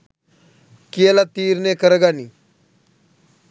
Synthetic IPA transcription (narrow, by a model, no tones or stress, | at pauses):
kijelat̪iːɾneːkəɾəɡaniː